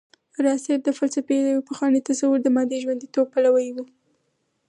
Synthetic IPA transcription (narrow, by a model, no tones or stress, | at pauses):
ɾɑseɾ̚d̪əfalsafed̪wepəxwɑnet̪asawuɾd̪əmɑd̪eʒwand̪it̪ob̚palawajwu